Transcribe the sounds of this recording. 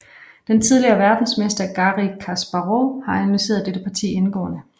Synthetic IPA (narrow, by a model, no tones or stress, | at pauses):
d̥ent͡sʰið̞ˠliɐːʋæɐd̥n̩smesd̥ɐɡ̥ɑ̈ʁikʰæsb̥ɑʁohɑ̈ænunyse̝̰ːɐðˠd̥eɾ̥əpʰɑ̈t͡sʰḭːenɡ̥ɔ̰ːnə